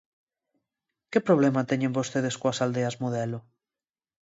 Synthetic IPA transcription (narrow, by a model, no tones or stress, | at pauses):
kepɾoβ̞lɛmat̪ɛɲẽmbost̪eð̞eskoasald̪eazmoðɛlʊ